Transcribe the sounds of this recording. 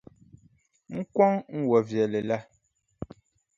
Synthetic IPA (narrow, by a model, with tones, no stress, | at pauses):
ŋ̩˦kwɔ˦ŋŋ̩˦wɔ˨vjɛ˨lɛ˨la˦